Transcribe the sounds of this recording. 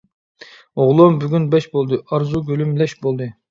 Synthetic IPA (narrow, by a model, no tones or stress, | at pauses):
oʁlˠombyɡʲynbɛʃbolˠd̪ɨɑɾzuɡʲølymlɛʃbolˠd̪ɨ